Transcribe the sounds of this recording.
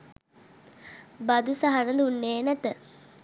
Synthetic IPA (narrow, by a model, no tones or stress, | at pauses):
bad̪usaɦanəd̪unːeːnæt̪ə